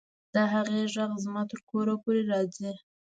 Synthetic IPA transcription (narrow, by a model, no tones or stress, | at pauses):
d̪̥əɦaɣeʒaɣzmɑt̪əɾkoɾapoɾeɾɑd͡zi